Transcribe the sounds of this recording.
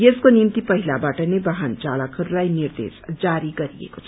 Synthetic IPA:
jeskonimt̪ipʌɦilabaʈənebaɦant͡ʃalakʰːəɾulajniɾd̪ḛsd͡ʒaɾiɡʌɾiḛkot͡sʰ

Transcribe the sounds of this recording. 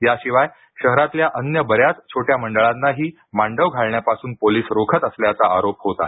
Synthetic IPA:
jaɕiʋaj | ɕəɦɾat̪ljaʔənjəbəɾjat͡st͡ɕʰoʈjaməɳɖəɭãt̪nːaɦiː | maɳɖəʋɡʱaɭɳjapasuːnpoliːsɾokʰət̪əsljat͡saaɾopɦot̪a̰

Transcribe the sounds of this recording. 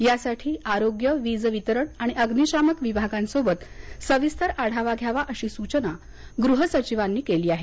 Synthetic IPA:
jasaʈʰiːaɾoɡjəʋid͡zʋit̪əɾəɳaɽ̃iʔəɡniɕaməkʋibʱaɡãnsobət̪səʋist̪ʰəɾaɽ̤aʋaɡʱjaʋaʔəɕiːsut͡ɕəna | ɡɾuɦəsət͡ɕiʋanːiːkeliːaɦe

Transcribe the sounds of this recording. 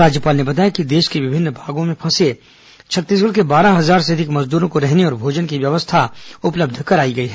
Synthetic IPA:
ɾaːd͡ʒjəpaːlnebɐt̪̬aːjakid̪eːʃkeʋɪbʱɪnːbʱaːɡõmẽpʰɐ̃se | t͡ʃʰɐt̪ːiːs̬ɡəlkebaːɾaɦɐzaːɾseɐd̪ʱɪkmɐzd̪uːɾõkoɾɛɦneɔːɾbʱoːd͡ʒənkiʋjɐʋəst̪ʰaʊpləb̚d̪ʱkɐɾaːiɡɐiɦɛ

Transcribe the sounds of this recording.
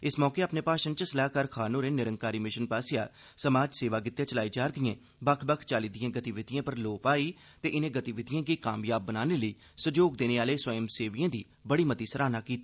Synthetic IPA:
ɪsmɔːkeːaːpneːpaːʃənt͡ʃəsəlaːkəɾkʰaːnoːɾeːnɪɾəŋkaːɾiːmɪʃənpaːsɪja̰ː | səmaːd͡ʒseːʋaːkɪt̪jaːt͡ʃəlaːiːd͡ʒaːɾd̪ɪjãː | bəkʰbəkʰt͡ʃaːliːd̪ɪjãːɡət̪iʋɪd̪ɪjãːpəɾloːpaːiː | t̪eːʔɪnẽːɡət̪iʋɪd̪ɪjãːkikaːmjaːbːənaːneːləiː | sʊd͡ʒoːɡd̪eːneːaːleːswəjəmseːʋiãːd̪iː | bəɽiːmət̪iːsəɾaːnaːkiːt̪ː

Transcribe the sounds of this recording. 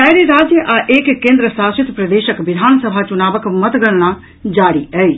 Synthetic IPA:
ɛːjɾiɾaːd͡ʒjəʔaːʔeːkkːẽːnd̪ɾəsaːsɪt̪pɾɐd̪eːʃəkʋɪd̪ʱaːnsəbʱat͡ʃʊnaːbəkmɐt̪ɡəɽna | d͡ʒaːɽiɛi

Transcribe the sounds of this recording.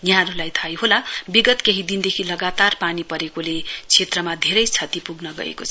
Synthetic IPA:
njãnulajt̪ʰajɦolabiɡʌt̪keɦid̪ind̪ekʰilʌɡat̪arpanipʌɾekolet͡sʰet̪rʌmad̪ʱeɾʌjt͡sʰʌt̪ipuɡnʌɡʌ̰ḛkot͡sʰʌ

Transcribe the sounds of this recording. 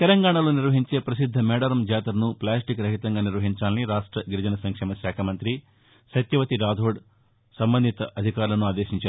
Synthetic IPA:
t̪ɛlɐŋɡaːɳɐlo̞ːniɾʋɐɦiɲt͡ʃe̞ːpɾɐsid̪ʱːɐmɛːɖɐɾɐmd͡ʒaːt̪ɐɾnuplaːsʈikɾɐɦit̪ɐŋɡaːniɾʋɐɦiɲt͡ʃaːlniɾaːʂʈɾɐɡiɾud͡ʒɐnɐsɐŋkʂɛːmɐʃjaːkʰɐmɐnt̪ɾi | ʃɐt̪jɐʋɐt̪iɾaːd̪ʱoːɖ | sɐmbɐnd̪ʱit̪ɐʔɐd̪ʱikaːɾlɐnuaːd̪eːʃiɲt͡ʃaːɾu

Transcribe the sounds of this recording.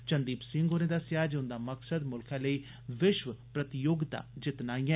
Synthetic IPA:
t͡ʃənd̪iːpsɪ̃ŋɡoːnẽːd̪aːsjaːd͡ʒʊnd̪aːməksəd̪mʊlkʰɛ̃ːləiː | ʋɪʃʋəpɾət̪ɪjoɡd̪a̰ːd͡ʒɪt̪naːijɛ̃

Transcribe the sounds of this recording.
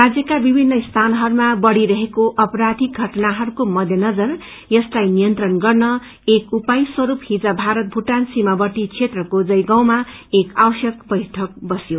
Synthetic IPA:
rad͡zjʌkabibʱinːʌist̪ʰanɦʌɾumabʌɽiɾʌɦekoʔʌpʌɾad̪ʱiɡʱʌʈnaɦʌɾukomʌd̪ʱjʌnʌd͡zʌr | jʌslajnijʌnt̪rʌnɡʌrnʌ | ekupajswʌɾuphid͡zabʱaɾʌt̪̚bʱuʈansimabʌʈit͡sʰet̪rʌkod͡zʌjɡaw̃ma | ekawʌsjʌk̚bʌjʈʰʌk̚bʌsjo

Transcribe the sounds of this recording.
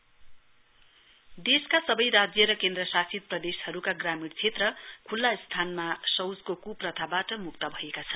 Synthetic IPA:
d̪eskasʌbʌjɾad͡zjʌɾʌkend̪rʌsasid̪̚prʌd̪eshʌɾukaɡramiɽt͡sʰet̪rʌkʰulːast̪ʰanmasʌwd͡zkokuprʌt̪ʰabaʈʌmuk̚t̪ʌbʱʌekat͡sʰʌn

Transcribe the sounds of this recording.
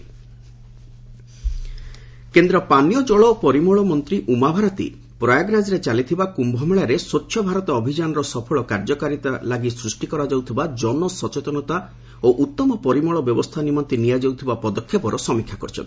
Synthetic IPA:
kend̪ɾɔpanijɔd͡ʒɔɭɔpɔɾimɔɭɔmɔnt̪ɾiʔumabʱaɾɔt̪ḭ | pɾɔjaɡnad͡ʒɾet͡ʃalit̪ʰibakumbʱɔmeɭaɾesot͡ʃʰːjɔbʱaɾɔt̪ɔːbʱid͡ʒanɔɾɔsɔpʰɔɭɔkaɾd͡ʒɔkaɾit̪alaɡisɾusʈikɔɾad͡ʒawt̪ʰibad͡ʒɔnɔsɔt͡ʃet̪ɔnɔt̪a | oʔut̪ːɔmɔpɔɾimɔɭɔbjɔbɔst̪ʰanimɔnt̪inijad͡ʒoɡ̚t̪ʰibapɔd̪ɔkʰːepɔɾɔsɔmikʰːjakɔ̰ɾit͡ʃʰɔ̰nt̪i̥

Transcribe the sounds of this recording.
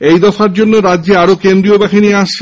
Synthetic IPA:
ejd̪ɔfaɾd͡ʑonːoɾad̪ːʑeaɾokend̪ɾiobaxiniaʃʰe

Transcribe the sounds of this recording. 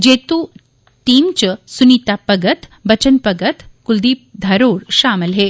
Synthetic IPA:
d͡ʒeːt̪u | ʈiːmt͡ʃsunit̪apɐɡət̪bɐt͡ʃənpɐɡət̪kʊld̪iːp̚d̪ʱaɾoːɾʃaːməlɦeː

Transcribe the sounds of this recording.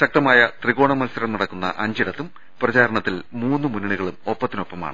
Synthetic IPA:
ɕɐk̚t̪ɐmaːjɐt̪riɣo̞ːɳɐmɐlsɐɾɐmnɐɽɐkːunːɐ̰ʔɐɲd͡ʑiɽɐt̪ːum | prɐt͡ɕaːɾɐɳɐt̪ːilmuːnːɨmunːiɳuɣɐɭumo̞pːɐt̪ːino̞pːɐma̰ːɳɨ

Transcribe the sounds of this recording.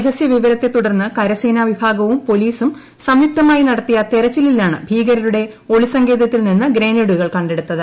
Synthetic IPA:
ɐɦɐsjɐʋiʋɐɾɐt̪ːe̞t̪uɽɐrnːɨkɐɾɐseːnaːʋibʱaːɡɐʋumpo̞liːsum | sɐmjup̚t̪ɐmaːjinɐɽɐt̪ːijɐt̪eɾɐt͡ɕːililːaːɳɨbʱiːɡɐɾɐɾuɽe̞ | o̞ɭisɐŋɡe̞ːðɐt̪ːilninːɨɡɾe̞ːneɽuɣɐɭkɐɳɖe̞ɽut̪ːɐðɨ

